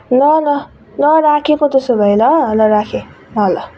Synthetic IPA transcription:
lʌlʌ | lʌɾakʰekot̪ʌsobʱʌjlʌlʌɾakʰe | lʌlʌ

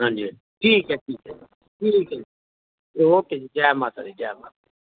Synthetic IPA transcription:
ɦãːnd͡ʒi | ʈʰiːkɛʈʰiːkɛ | ʈʰiːkɛ | oked͡ʒaːmaːt̪ʰa̰d̪id͡ʒaːma̰ːt̪a

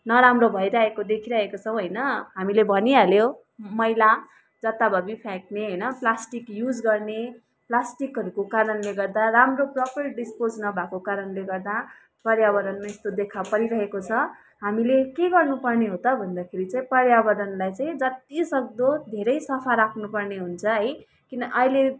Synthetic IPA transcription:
nʌɾamrobʱʌjɾaɦekod̪ekʰiɾʌɦekot͡sʰʌ̃w̃ɦʌjnʌɦamilebʱʌnialjo | mʌjla | d͡zʌt̪abʱʌbipʰãk̚neɦʌjnʌplasʈikjud͡zɡʌrne | plasʈikɦʌɾukokaɾʌnleɡʌrd̪aramroprʌpʌrɖispod͡znʌbʱakokaɾʌnleɡʌrd̪a | pʌɾjaβʌd̪ʌnmaest̪od̪ekʰapʌɾiɾʌɦekot͡sʰʌ | ɦamilekeɡʌrnupʌrneɦot̪ʌbʱʌnd̪akʰeɾit͡saĩpʌɾjabʌd̪ʌnlajt͡sãĩd͡zʌt̪ːisʌk̚d̪od̪ʱeɾʌjsʌpʰaɾakʰnupʌrneɦunt͡sʰʌɦʌj | kinʌʔʌile

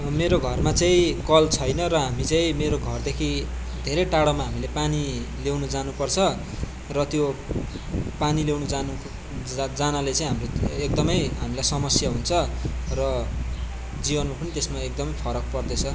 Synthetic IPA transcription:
meɾoɡʱʌrmat͡saĩkʌlt͡sʰʌjnʌɾʌɦamit͡sãĩmeɾoɡʱʌrd̪ekʰi | d̪ʱeɾeʈaɽʌmaɦamilepanilewnud͡zanupʌrt͡sʰʌ | rʌt̪jo | panilewnud͡zanu | d͡zanalet͡saĩɦamroek̚d̪ʌmʌjɦamilajsʌmʌsjaɦunt͡sʰʌrʌ | d͡zibʌnmapʌnit̪esmaek̚d̪ʌmʌjpʰʌɾʌk̚pʌrd̪et͡sʰʌ

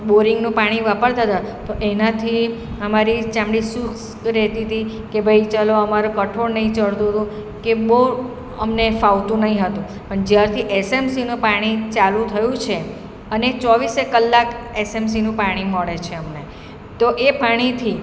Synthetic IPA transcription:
ɓoɾiŋɡnũpaɽ̃iʋapəɾt̪ʰət̪at̪oʔenat̪ʰi | əmaɾit͡ʃãmɽisuks | ɾɛt̪it̪ʰi | kebʱəjt͡ʃaloəmaɾũkəʈʰoɾnəĩt͡ʃəɭt̪ũɦət̪ũ | keɓəu | əmnefawt̪ũnəɦĩɦət̪ũ | pəɳd͡ʒjaɾt̪ʰiʔesemsinũpaɽ̃it͡ʃalũt̪ʰəjũt͡ʃʰe | ənet͡ʃɔʋisekəlːakesems̬inũpaɽ̃iməɭet͡ʃʰeəmne | t̪oʔepaɽ̃it̪ʰi

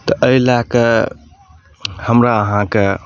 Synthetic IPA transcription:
t̪ɐʔɐjlakɐ | hɐmɾaɦãkɐ

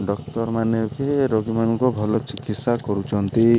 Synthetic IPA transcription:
ɖɔkt̪ɔɾmaneɔkeɾoɡimanɔŋkɔbʱɔlɔt͡ʃikit̪sakɔɾut͡ʃʰɔnt̪i

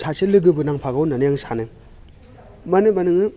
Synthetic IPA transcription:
sʰaselɯɡɯbɯnaŋpʰaɡawnanɯjaŋsanɯ | mɐnɯmɐnɯŋɯ

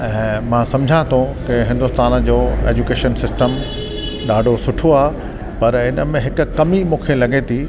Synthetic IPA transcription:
ɛ̃ːmãːsɐ̃md͡ʑʱãt̪ʰõkɪɦɪ̃nd̪ʊst̪aːnd͡ʑoːḛːd͡ʑukeːʃənsɪsʈəm | ɗ̪aːɖʱosʊʈʰoaːɦe | pɐɾɪnəmẽɦɪkʊ̆kɐmimũːkʰelɐɠet̪ʰiː

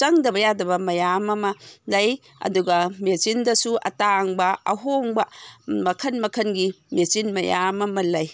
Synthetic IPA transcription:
t͡ʃɐŋdɐbɐjadɐβɐmɐjamɐmɐlɐj | ɐ̰duɡɐmet͡ʃindɐsuʔɐ̰taŋbɐɐ̰ɦoŋbɐmɐkʰɐnmɐkʰɐnɡi | met͡ʃinmɐja̰mɐmɐlɐj

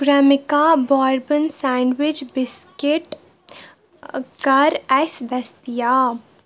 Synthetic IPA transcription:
ɡɾaːmɪkabaːɾbənsãːɳɖwɪt͡ʃbɪskɪʈ | kɐɾɛsd̪ɐst̪ijaː

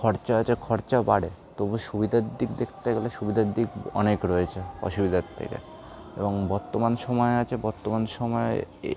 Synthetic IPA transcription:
kʰɔɾt͡ɕaat͡ɕʰekʰɔɾt͡ɕabaɽet̪oboʃubid̪ʱad̪ikd̪ekʰt̪eɡeleʃubid̪ʱad̪ːikɔ̰nekɾɔet͡ɕʰeɔ̰ʃubid̪ʱat̪ʰːḛkḛ | ḛboŋbɔɾt̪omanʃɔmɔeat͡ɕʰebɔɾt̪omanʃɔmɔe

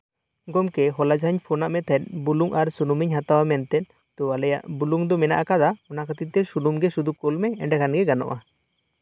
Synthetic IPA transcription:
ɡɔmkɛɦɔlad͡ʒaɲpʰɔnaʔmɛt̪ʰaɛt̪̚buluŋʔaɾsunumiɲɦat̪awamɛnt̪ɛt̪̚ | t̪uwalɛja̰ʔbuluŋd̪ɔmɛna̰ʔakad̪aɔnakat̪it̪ːɛsulumɡɛsud̪ukɔlmɛɛɳɖɛkʰanɡɛɡanɔ̰ʔa

